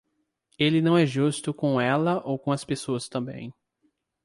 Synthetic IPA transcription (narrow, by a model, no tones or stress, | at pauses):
elɪnɐ̃w̃ɛʒust̪ʊkõɛlɐʔowkõɐspesoɐst̪ɐ̃mbḛ̃j̃